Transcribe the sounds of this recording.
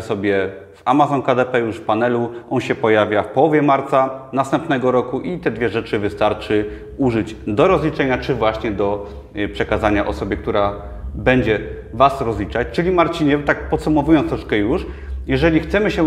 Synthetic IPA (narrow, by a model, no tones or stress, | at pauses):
sɔbʲjɛ | vamazɔnkad̪ɛpɛjuʂfpanɛluʔɔnɕɛpɔjavʲjafpɔwɔvʲjɛmaɾt̪sanast̪ɛmpnɛɡɔɾɔkuʔit̪ɛd̪vʲjɛʐɛt͡ʂɘvɘst̪aɾt͡ʂɘ | uʐɘd͡ʑd̪ɔɾɔzlʲit͡ʂɛɲat͡ʂɘvwaɕɲɛd̪ɔ | pʂɛkazaɲaʔɔsɔbʲjɛk̚t̪uɾa | bɛɲd͡ʑɛ | vasɾɔzlʲit͡ʂat͡ɕt͡ʂɘlʲimaɾt͡ɕiɲɛt̪akpɔt̪sumɔvujɔnt̪ɾɔʂkɛjuʂjɛʐɛlʲixt̪sɛmɘɕɛ